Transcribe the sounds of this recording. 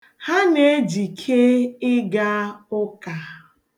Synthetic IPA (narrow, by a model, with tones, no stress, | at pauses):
ha˦ne˦d͡ʒi˨kʰe˦ɪ˦ɡa˦ʊ˦ka˨